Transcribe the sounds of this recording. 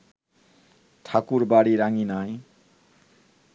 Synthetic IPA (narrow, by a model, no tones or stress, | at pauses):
tʰakuɾbaɽiɾaŋinaj